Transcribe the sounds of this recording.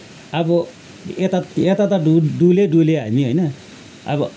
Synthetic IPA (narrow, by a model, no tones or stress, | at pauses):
ʌbʌ | et̪aet̪at̪auɖuleɖuleɦa̰miɦojnʌ | ʌ̰bʌ